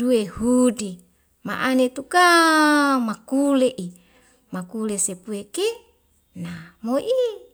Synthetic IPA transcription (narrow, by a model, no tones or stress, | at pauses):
duehudi | ma̰ʔanet̪uka | makuleʔi | makulesepueke | namoʔi